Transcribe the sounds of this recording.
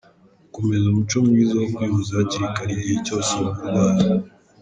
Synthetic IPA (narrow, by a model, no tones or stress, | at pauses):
komezumut͡ʃo̞mŋiːzawokwiːβuzaciɾikaɾiɾicoːsomuɾwaːza